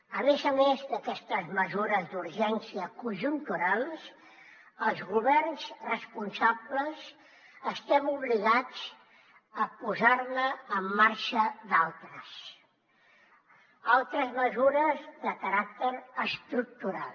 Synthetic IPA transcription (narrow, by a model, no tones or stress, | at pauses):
əmezəmezd̪əkɛst̪əzməzuɾəzd̪uɾʒɛnsiəkuʒunt̪uɾalˠs | əlˠzɣuβɛrnzrəspunsaβləz | əst̪ɛmuβliɣad͡z | əpuzaɾnəːmːaɾʃəd̪alˠt̪ɾəs | alˠt̪ɾəzməzuɾəzðəkəɾak̚t̪əɾəst̪ɾuk̚t̪uɾalˠ